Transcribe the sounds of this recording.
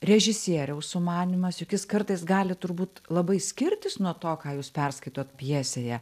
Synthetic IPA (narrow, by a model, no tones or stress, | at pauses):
rʲɛʒʲɪsʲiɛɾʲɛʊsʊmɑːnʲɪmɐsjʊkʲɪskɐrt̪ɐɪsɡɑːlʲɪt̪ʊɾbuːt̪lˠɐbɐɪsʲkʲɪɾʲt̪ʲɪsnuɔt̪oːkɑːjuːspʲɛrskɐɪt̪oːt̪pʲjiɛsʲeːjɛ